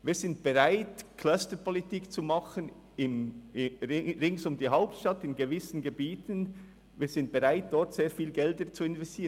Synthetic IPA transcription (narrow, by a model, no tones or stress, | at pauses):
viːz̥ɪnt̚b̥eʁaɪtkʰl̥œstəpɔlitiːkt͡sumɑχən | ɪm | ʁɪŋsʊmdiːɦaʊp̚tʃtɑtɪnɡevɪsn̩ɡebiːtən | viːɐz̥ɪnt̚b̥eʁaɪt̚d̥ɔɾtseːɐfiːlɡɛldət͡suɪnvɛstiːən